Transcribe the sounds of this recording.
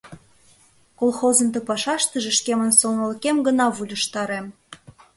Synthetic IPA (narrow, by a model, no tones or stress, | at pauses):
kolxozə̆nt̪ə̆pɑʃɑʃt̪ə̆ʒĕʃkemə̆nsolnəlkemɡə̆nɑβulʲə̆ʃt̪ɑɾem